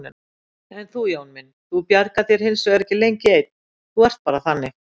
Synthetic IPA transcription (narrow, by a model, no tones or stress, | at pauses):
nɪn | ɛnθujaːwnmɪnːθupjaɾkaθjɛɾ̥hɪnsvɛɛɾɛhcːɪlejɲcɪeːjt̪̚ | θuɛr̥t̪̚paːɾaθanːɪx